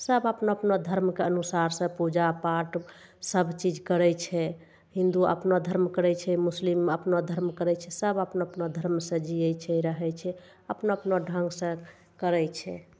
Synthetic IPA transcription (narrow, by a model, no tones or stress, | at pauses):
səbəpnoəpnod̪ʱəɾmkeənusaɾsə̃pud͡ʒapaʈ | səbʱt͡ʃid͡ʒkəɾɛt͡ʃʰɛ | ɦĩnd̪uə̰pnod̪ʱəɾmkəɾɛt͡ʃʰɛmusliməpnod̪ʱəɾmkəɾɛt͡ʃʰɛsəbəpnoəpnod̪ʱəɾmsə̃d͡ʒijɛt͡ʃʰɛɾəɦɛt͡ʃʰɛ | əpnoəpnoɖʱə̃ŋɡsə̃ | kəɾɛt͡ʃʰɛ̰